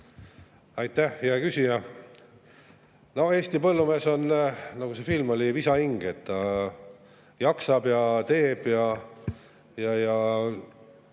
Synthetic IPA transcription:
ɑjt̪ːˑæhjɑkysʲijɑ | no̞e̞ːsʲt̪ipɤlːume̞ːso̞nnɑɡ̥use̞filmo̞lʲivisɑiŋɡ̥e̞t̪ːɑ | jɑksɑbjɑt̪e̞ːb̥jɑ | jɑjɑ

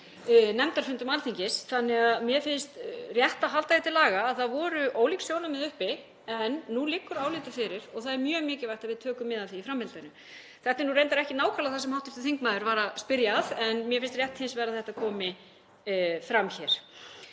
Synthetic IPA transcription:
nɛmt̪aɾ̥fʏnt̪ʏmaɾθiɲcɪsθanːɛɣaðmjɛfɪnst̪rjɛht̪aɦalt̪aðɪt̪ʰɪlaːɣaːðθaðvɔɾʏʔoːwliksjoːwnamɪðʏhpɪ | ɛnːulɪkːʏɾaːwlɪːt̪ʏfɪɾɪɾɔɣθaðɛɾmjœːɣmɪːcɪvaj̥t̪aðvɪðt̪ʰœːkʏmːɪðaθiːfɾamhɪlt̪anʏ | θɛht̪ɪnurejnt̪aɾɛhcɪnaːwkʰalaθasɛmhawht̪ɪft̪ɪɾ̥θiŋkmaːðʏɾvaːɾaspɪɾjaðɛnmjɛfɪnst̪rjɛht̪hɪnsvɛːɾaðθɛht̪aðkʰɔːmɪ | fɾamçɛɾ̥

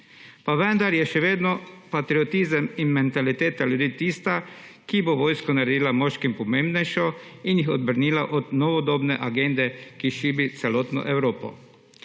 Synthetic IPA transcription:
paʋɛnd̪aɾjɛʃɛʋeːd̪nɔpat̪ɾiɔt̪iːzəminmɛnt̪alit̪eːt̪aljud̪iːt̪iːst̪a | kiboʋoːjskɔnaɾɛd̪iːlamɔːʃkimpɔmeːmbnɛjʃɔinjixɔd̪̚bəɾniːlaʔɔd̪nɔʋɔd̪oːbnɛʔaɡend̪ɛkiʃiːbit̪sɛloːt̪nɔ̰ʔɛwɾoːpɔ̰

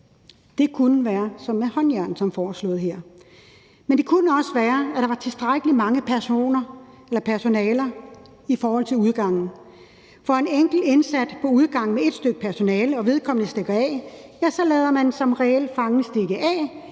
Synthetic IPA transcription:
d̥e̝kʰunəʋæːɐsɒ̽mːehɒ̽njæɐ̰nsɒ̽mfɒːslo̝ːð̞̩ˠɦeɐ̰ | mend̥e̝kʰunəɒ̽səʋæːɐæɾ̥ɑ̈ʋɑ̈t͡sʰe̝lsd̥ʁaɡ̥əlimɑ̈ŋəpʰæɐso̝̰ːnɐ | elɐpʰæɐso̝nɛːlɐ | ifɒːhɒ̽l̰t͡sʰe̝luð̞ˠɡ̥ɑ̈ŋ̰n̩ | fɒ̽e̝neŋ̰ɡ̥l̩e̝nsæd̥pʰɒ̽uð̞ˠɡ̥ɑ̈ŋ̰mee̝d̥sd̥øɡ̥əpʰæɐso̝nɛːləɒ̽ʋe̝ð̞ˠkʰɒ̽m̰ənəsd̥eɡ̥ɐɛ̰jæsɒ̽lɛːð̞ˠɐmænsɒ̽mʁɛel̰fɑ̈ŋəsd̥e̝ɡ̥əʔɛ

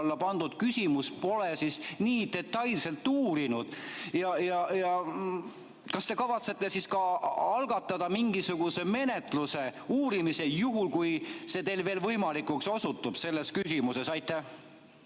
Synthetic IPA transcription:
lːɑpɑnd̪̥ud̪̥kysʲimuspo̞lesisniːt̪e̞t̪ːˑɑjlse̞lt̪ːuːɾinud̪̥jɑjɑjɑ | kɑst̪e̞kɑvɑt̪se̞t̪ːe̞siskɑɑlɡ̥ɑt̪ːˑɑd̪̥ɑmiŋɡisuɡ̥use̞me̞ne̞t̪ˑluse̞uːɾimise̞juɦulkujse̞ːt̪e̞ːlve̞ːlvɤjmɑlikukso̞sut̪ːˑub̥se̞lːeskysʲimuse̞sɑjt̪ːˑæh

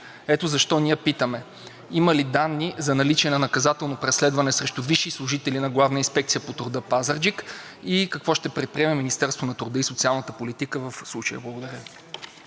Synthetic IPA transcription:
ɛt̪ozɐʃt̪ɔnijəpit̪əmɛ | iməlid̪anːizɐnɐlit͡ʃɛnɐnɐkɐzat̪ɛlˠnopɾɛslɛd̪vɐnɛsɾɛʃt̪ʊviʃːislˠʊʒit̪ɛlinɐɡlˠavnəinspɛkt̪sijəpot̪ʊɾd̪əpazəɾd͡ʒik | ikɐkvɔʃt̪ɛpɾɛt̪̚pɾiɛmɛminist̪ɛɾst̪vonɐt̪uɾd̪əisot̪sialˠnət̪əpolit̪ikəvɐfslˠut͡ʃəjə̰blˠɐɡod̪ɐɾʲə

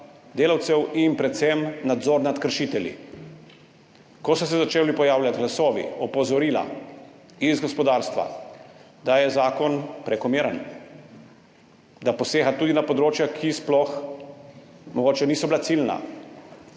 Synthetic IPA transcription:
d̪eːlawt̪sɛwinpɾɛt̪sɛmnad̪zoːɾnat̪kəɾʃiːt̪ɛljḭ | kɔsɔs̬ɛzat͡ʃeːwlipɔjaːwljat̪ɡlasɔːʋḭɔpɔzɔɾiːla̰ | izɡɔspɔd̪aːɾst̪ʋa̰ | d̪ajɛzaːkɔnpɾɛkɔmiːɾən | d̪apɔseːxat̪uːd̪inapɔd̪ɾoːt͡ʃjakʰisplɔx | mɔɡoːt͡ʃɛniːsɔbilat̪silna̰

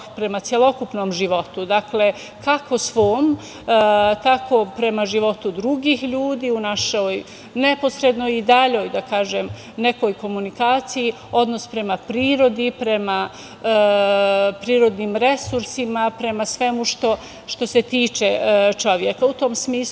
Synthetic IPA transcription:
pɾe̞mat̪sjelˠo̞kupnoːmʒiʋo̞t̪ud̪akle̞ | kakʰo̞sʋoːm | t̪akʰo̞pɾe̞maʒiʋo̞t̪ud̪ɾuɡiːxʎuːd̪iːunaʃoj | ne̞po̞sɾe̞d̪nojid̪aʎo̞jd̪akaːʒem | ne̞ko̞jko̞munikaːt̪siji | o̞d̪no̞spɾe̞mapɾiːɾo̞d̪ipɾe̞ma | pɾiːɾo̞d̪niːmɾe̞suɾsimapɾe̞masʋe̞muʃt̪o̞ | ʃt̪o̞se̞t̪iːt͡ʃet͡ʃo̞ʋjekaut̪o̞msmiːsu

